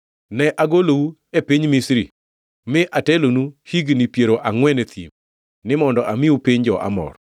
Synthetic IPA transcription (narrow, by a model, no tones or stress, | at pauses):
nɛʔaɡolowu | epiɲmisɾḭ | mɪʔatɛlonuhiɡnipjeɾoʔaŋwɛnet̪ʰḭm | nɪmɔndɔʔamɪupiɲd͡ʒɔʔa̰mɔ̰ɾ